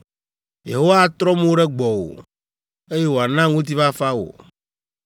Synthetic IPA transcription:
je˨ɦo˦wa˦t̪ɾɔ˦m˦o˦ɖɛ˦ɡ͡bɔ˨wo̰˨ | e˦je˦wo˨a˨nã˦ŋũ˦t̪̬i˦va˦fa˦wo̰˨

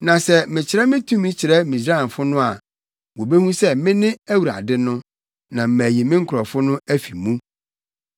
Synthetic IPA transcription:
nã˨sɛ˨mɪ̃˨t͡ɕʰɪ˨ɾɛ˦mɪ̃˦tʰũ˦mɪ̃˦t͡ɕʰɪ˨ɾɛ˦mĩ˨s̬ɾa˦˨n˨fʊ˦nʊ̃˦a˨ | wo˨be˦hũ˦sɛ˦mɪ̃˦nɪ̃˦æ˦wu˨ɾa̰˨dɪ˦nʊ̃˦ | nã˨m̩˨mæ˨ji˨mɪ̃˦ŋ̩˦kʰʊ˨ɾɔ˨fʊ˦nʊ̃˦æ˦fi˨mũ˦

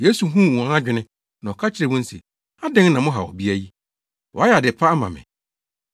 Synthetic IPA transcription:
je˦su˨ɦũ˦˨wã˨˦ã˦d͡ʑᶣɪ˨nɪ̃˦ | nã˨ɔ˨kʰa˦t͡ɕʰɪ˦ɾɛ˨mʊ̃˦n̩˦sḛ˨ | a˦dɛ̃˦ŋnã˨mʊ̃˦ɦa̰˨wɔ̰˨bi˦æ˦ji˦ | wɔ˨a˦jɛ˨a˨dɪ˨pʰa˦a˦mã˨mɪ̰̃˨

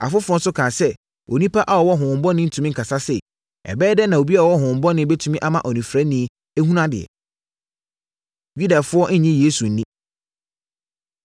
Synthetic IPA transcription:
a̰˨fʊ˦fʊ˦ɔ˦n̩˦sʊ˦kʰãː˨sɛ˦ | o̰˨nĩ˦pʰa˦ʔa˦wɔ˨wɔ˦ɦʊ̃˨m̩˨bɔ˦nɪ̃˦n̩˦tʰũ˨mĩ˦ŋ̩˨kʰa˨sa˦sɛ˨ | ɛ̰˨bɛː˦dɛ˦nã˨o˨bi˦a˦˨wɔ˦ɦʊ̃˨m̩˨bɔ˦nɪ̃˦be˦tʰũ˦mĩ˦ʔa˦mã˨ʔɔ˨nĩ˨fɾa˦nĩ˦ | e˦ɦũ˦nã˦dɪ̰˨ɛ̰˨ | ɥi˦da˨fʊ˦ɔ˦n̩˦ɲɪ̃˦je˦su˨n̩˦nĩ˦

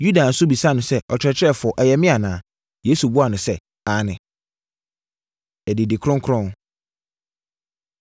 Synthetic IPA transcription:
ju˦da˨n̩˦sʊ˦bi˨sa˦˨nʊ̃˨sɛ˦ʔɔ˨t͡ɕʰᶣɾɛ˦t͡ɕʰɛ˦˨fʊ˨ɔ˨ʔɛ˨jɛ˨mɪ̃˦a˨nãː˨˦ | jeː˨˦su˨bu˦a˨nʊ̃˨sɛ˦ | a˦nɪ̃˨ | ɛ˨dɪ˨dɪ˨kʰɾʊ̃˦ŋkʰɾʊ̃˦n

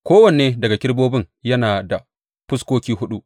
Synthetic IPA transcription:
kʷoː˦wɐ˨n˨eː˦dɐ˨ɡa˨kʲɪ˦ɽboː˦bɪ˦ŋ | jɐ˦naː˨da˨ | ɸʊ˦skʷoː˦kʲiː˦ɦʊ˦ɗu˦ʔ

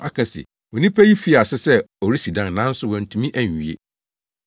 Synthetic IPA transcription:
a̰˨kʰã˨sɪ̰˨ | wɔ̃˨nĩ˦pʰæ˦ji˦fi˦a˨sɪ˦sɛ˦ | o˨ɾi˦si˨dã˦n˨nã˦n̩˦sʊ˦wɔ̃˨n̩˨tʰũ˨mĩ˦ʔæ˦ɲ˨i˨ḛ˦

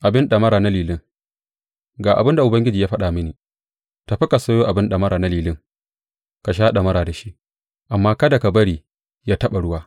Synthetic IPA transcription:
ʔa˨bɪ˦nɗɐ˨mɐ˦ɾaː˨na˦liː˨lɪ˦ŋ | ɡaː˨ʔa̰˨bɪ˦nda˨ʔʊ˨bɐ˦ŋɡʲɪ˦d͡ʒiː˨ja˦ɸɐ˦ɗa˨mɪ˦niː˨ | ta˨˦ɸɪ˦ka˨sɐː˦joː˦ʔa˨bɪ˦nɗɐ˨mɐ˦ɾaː˨na˦liː˨lɪ˦ŋ | ka˨ʃ̬aː˦ɗa˨mɐ˦ɾaː˨da˨ʃi˦ʔ | ʔa˨mːaː˦kɐ˦da˨ka˨bɐ˦ɽiː˨ | jaː˦tɐ˦ɓa˨ɽʊ˦waː˦

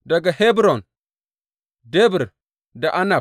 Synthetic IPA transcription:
da˨ɡa˨he˦bɾo˨n | de˦bi˨ɾ | da˨ʔa˦na˨

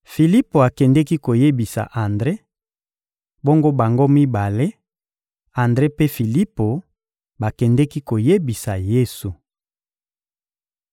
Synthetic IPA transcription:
fi˨li˦po˨a˨kɛ˨ndɛ˦ki˦ko˨je˦bi˨sa̰˨ʔa˨ndʁe˦ | bo˦ŋɡo˦ba˨ŋɡo˦mi˦ba˨le˦ | a˨ndʁe˦pe˦fi˨li˦po˨ | ba˨kɛ˨ndɛ˦ki˦ko˨je˦bi˨sa˨je˦su˨

